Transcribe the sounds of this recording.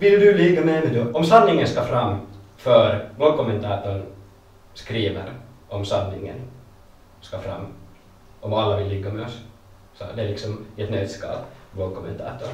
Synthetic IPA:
vɪld̪ɵlɪɡːamɛmɛd̪ʉɔmsanːɪŋənskɑfɾamːfœɾvoːɾkʰɔmːɛnt̪ʰɑːt̪ʊɳ | skɾiːvə̰ɾʔɔmsanːɪ̰ŋːə̰n | skɑfɾa̰mː | ɔmalːavɪlːɪɡːamɛɔs | sɔ̰d̪ɛæɭɪksɔmɛt̪nœːd̪skɑ̰ːlvoːɾkʰɔmːɛnt̪ʰɑ̰ːt̪ʊɾ

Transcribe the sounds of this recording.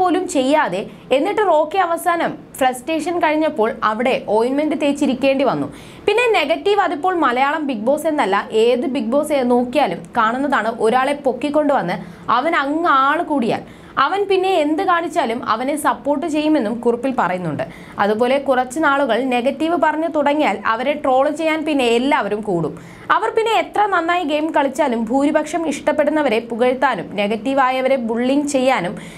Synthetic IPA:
pːo̞ːlumt͡ɕe̞jːaːðe̞ | e̞nːiʈːɨro̞ːkːeɐʋɐsaːnɐm | frɐsʈe̞ːʂɐnkɐɻiɲːɐpːo̞ːɭɐʋiɽe̞ʔo̞jnmendɨt̪eːt͡ɕːiɾikʲːe̞ːɳɖiʋɐnːṵ | pinːe̞ne̞ɣɐtːiʋɐðipːo̞ːɭmɐlɐjaːɭɐmbik̚bo̞ːse̞nːɐlːɐʔe̞ːðɨbiɡ̚bo̞ːseno̞ːkːijaːlumkaːɳunːɐðaːɳɨʔo̞ɾaːɭe̞po̞kːikʲːo̞ɳɖɨʋɐnːɨ | ɐʋɐnɐŋːaːɭɨkuːɽija̰ːl | ɐʋɐnpinːe̞ːnd̪ɨkaːɳit͡ɕːaːlumɐ̰ʋɐne̞sɐpːo̞ːrʈːɨt͡ɕe̞jːume̞nːumkurɐpːilpɐrɐjunːuɳɖɨ̰ | ɐðupo̞ːle̞kurɐt͡ɕːɨnaːɭuɣɐɭne̞ɣɐtːiʋɨpɐrɐɲːɐt̪uɽɐŋːijaːlɐ̰ʋɐɾe̞ʈro̞ːɭt͡ɕe̞jːaːnpinːe̞ːlːaːʋɐɾumkuːɽum | ɐʋɐrpinːe̞ːt̪rɐnɐnːaːjiɡe̞jmkɐɭit͡ɕːaːlumbʱuːɾibʱɐkʂɐmiʂʈɐpːe̞ɽunːɐʋɐɾe̞puɣɐɻt̪ːaːnumne̞ɣɐtːiʋaːjɐʋɐɾe̞buɭːiŋɡt͡ɕe̞jːaːnum

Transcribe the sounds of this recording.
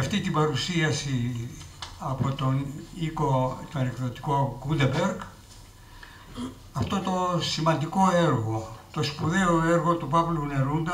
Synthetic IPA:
ɐft̪it̪ibɐɾusiɐsi | ɐpo̞t̪onikot̪oɐnekðot̪i̥ko̞ɡund̪ɐbeɾɡ | ɐft̪o̞t̪o̞simɐnd̪iko̞eɾɣo̞t̪o̞spuðeoeɾɣo̞t̪upɐvlune̞ɾund̪ɐ

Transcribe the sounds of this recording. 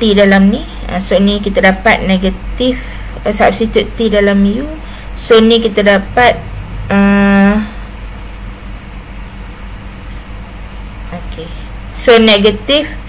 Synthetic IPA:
t̪idalamni | ə̰sonikit̪adapat̪̚neɡət̪if | əsaap̚sit̪uʔt̪idalamiju | sonĩkit̪adapat̪̚ə | okesonɛɡət̪if

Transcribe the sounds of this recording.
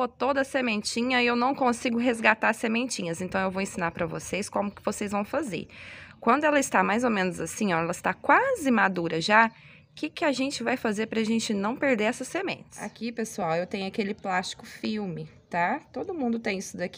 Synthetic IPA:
bot̪od̪ɐsemẽt͡ʃĩɲɐɪewnɐ̃w̃kõsiɡʊɦezɡat̪aɾsemẽnt͡ʃĩɲɐzẽnt̪ɐ̃w̃ewvowẽsĩnaɾpɾɐvo̰sejskõmʊkɪvosejzvɐ̃w̃fazḛɾkwɐ̃nd̪ʊɛlɐɪst̪amajzomẽnʊzasĩɔɛlɐɪst̪akwazɪmad̪uɾɐʒa | kɪkɪaʒẽnt͡ʃɪvajfazeɾpɾɐaʒẽnt͡ʃɪnɐ̃w̃peɾd̪eɾɛsɐsemḛ̃t͡ʃɪ̥sa̰kipesuawewt̪ẽɲʊakelɪplast͡ʃɪ̥kʊfiɾmɪt̪at̪od̪ʊmũnd̪ʊt̪ẽj̃isʊd̪aki

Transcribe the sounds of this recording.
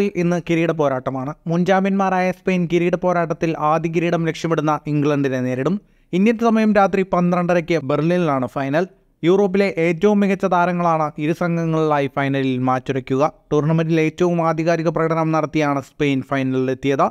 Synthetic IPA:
ilʔinːɨkiɾiːɽɐp̬o̞ːɾaːʈːɐmaːɳɨmund͡ʑaːmɐnmaːɾaːjɐspe̞ːnkiɾiːɽɐpo̞ːɾaːʈːɐt̪ːilaːd̪ʱiɣiɾiːɽɐmlekʂjɐmeɽunːɐiŋɡɭɐɳɖinene̞ːɾiɽum | ind̪jɐtːɨsɐmɐjɐmɾaːt̪ripɐnd̪rɐɳɖɐɾɐkʲːɨberlillaːɳɨfɐjnɐl | juːro̞ːp̬ːile̞ʔeːtːɐʋumːiɣɐt͡ɕːɐd̪aːɾɐŋːɐɭaːɳɨiɾusɐŋɡʱɐŋːɐɭiɭaːjifɐjnɐlilmaːt͡ɕːuɾɐkʲːuɣɐʈurɳɐmɐnile̞ːtːɐʋumaːd̪ʱiɣaːɾiɣɐp̬rɐːɣɾaːmnɐɽɐt̪ːijaːɳɨspe̞ːnfɐjnɐlet̪ːijɐðɨ

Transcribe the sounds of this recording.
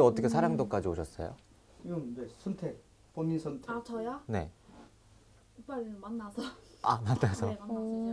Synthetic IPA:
ʌt͈ʌkʰesʰaɾaŋdok͈ad͡ʑioɕʰʌs͈ʌ̰jo̰ | iɯnnesʰʌntʰe | ponisʰʌntʰeat͡ɕʌjane̞̰ | up͈aɾimanːasʰʌamaɭtasʰʌmanːasʌ

